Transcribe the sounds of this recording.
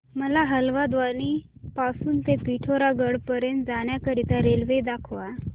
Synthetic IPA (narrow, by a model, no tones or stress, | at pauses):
məlaɦəlʋad̪ʋanipasuːnt̪epiʈʰoɾaɡəɽpəɾjənt̪d͡zaɽ̃jakəɾiːt̪aɾelʋed̪akʰʋa